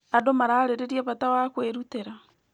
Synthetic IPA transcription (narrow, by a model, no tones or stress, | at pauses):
adomaɾaːɾeɾeɾiaβatawakweɾuteɾa